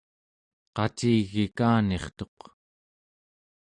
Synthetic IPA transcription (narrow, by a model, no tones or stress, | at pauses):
qɑt͡ʃiːɣikaːne̞χt̪o̞q